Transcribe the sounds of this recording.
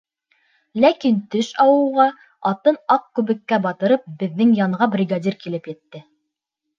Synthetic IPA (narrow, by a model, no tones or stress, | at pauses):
lækint̪ɵʃɑwɤ̆wʁɑ | ɑt̪ɤnɑq̚kʉβɘ̆kːæbɑt̪ɤ̆ɾɤp̚bɘ̆ðːɘŋjɑɴʁɑbrʲiɡad̪ʲirkilɘpjɘ̆t̪ːɘ